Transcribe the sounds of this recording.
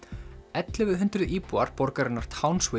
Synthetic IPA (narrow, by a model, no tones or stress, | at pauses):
ɛt̪lɪvɪðɦʏnt̪ɾʏʔiːpuaɾ̥pɔɾkaɾɪnːaɾ̥t̪ʰaːwnsvɪ